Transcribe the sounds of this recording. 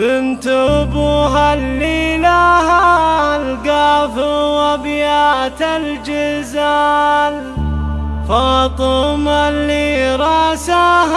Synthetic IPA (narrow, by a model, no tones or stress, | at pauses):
bɪnt̪ʊbuɦalːiːlahaalɡaːfɪwabjaːt̪ald͡ʒɪzaːl | fɑːt̪ˤɨmaliɾˤɑːsa